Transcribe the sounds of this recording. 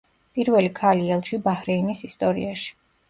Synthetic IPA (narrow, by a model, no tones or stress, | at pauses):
pʼiɾvɛlikʰaliɛlˠʃibahɾɛinisist̪ʼɔɾḭaʃi̥